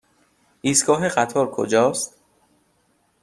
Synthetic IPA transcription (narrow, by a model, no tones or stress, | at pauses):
ʔiːskɒːɦexæt̪ʰɒːɾkʰo̰d͡ʒɒːst̪